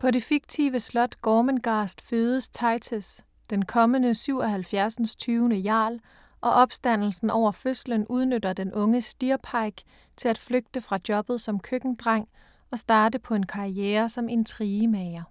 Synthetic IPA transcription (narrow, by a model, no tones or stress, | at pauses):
pʰɒ̽ɾe̝fiɡ̥t͡sʰḭʋəslɒ̽d̥ɡ̥ɒːmənɡ̥ɑ̈ːsd̥føːðˠəst͡sʰɑ̈ɪt͡sʰes | d̥enkʰɒ̽mənəsyʊ̰ɒ̽ɦælfjæɐsən̩st͡sʰyːʊnəjɑ̰̈ːl | ʔɒ̽ʔɒ̽b̥sd̥æn̰l̩sn̩ʔɒʊ̰ɐføslənuð̞ˠnødɐd̥enʔɔ̽ŋəsd̥iɐpʰɑ̈ɪɡ̥ | t͡sʰe̝læd̥fløɡ̥̚d̥əfʁɑ̈d̥jɒ̽b̥ð̩ˠsɒ̽mkʰøɡ̥n̩d̥ʁɑ̈ŋ̰ | ɒ̽sd̥ɑ̈ːdəpʰɒ̽e̝nkʰɑ̈ieːɐsɒ̽me̝nt͡sʰʁiːəmɛɪɐ